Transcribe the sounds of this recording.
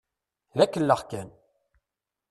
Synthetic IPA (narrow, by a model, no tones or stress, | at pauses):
ðækːəlːəχkæn